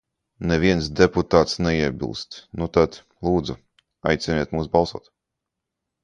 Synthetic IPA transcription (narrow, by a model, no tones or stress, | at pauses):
nɛviɛnsd̪ɛput̪aːt̪snɛiɛbʲḭlˠst̪nut̪ad̪ | lˠuːd̪zu | a̰jt̪sɛniɛt̪muːsbɑlˠsuɔt̪